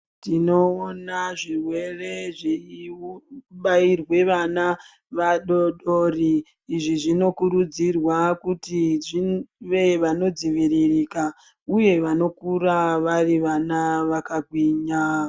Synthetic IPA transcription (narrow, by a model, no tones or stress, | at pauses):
tino̞onaʐirwe̞re̞ʐeiuɓairwe̞ʋana | ʋaɗoɗo̞riː | ʐiʐino̞kuɾud͡zirwakutiiʋe̞ʋano̞d͡ziʋiririːka | uje̞ʋano̞kuraʋariʋanaʋakaɡʱwiːɲa